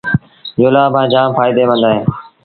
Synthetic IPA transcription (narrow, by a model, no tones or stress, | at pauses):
d͡ʒoːlaːbʱãːd͡ʒaːmfaːɪd̪eːmə̃nd̪aːɦẽː